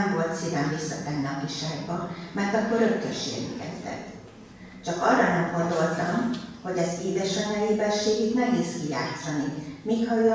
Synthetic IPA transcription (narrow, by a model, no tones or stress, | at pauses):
ɱvo̞lt̪sidɛmvisɒt̪ɛnnɒpiʃaːɡbɒmɛrt̪ɒkːo̞rɾøkt̪ːø̰rʃḛːɡy̰ŋkɛ̰zt̪ɛ̰t̪ː | t͡ʃɒkɒrːɒnɛmɡo̞nd̪o̞lt̪ɒmho̞ɟɛzeːd̪ɛʃɒɲɒjeːbɛʃeːɡit̪mɛɡiːskija̰ːt̪sɒnimiːkhɒøː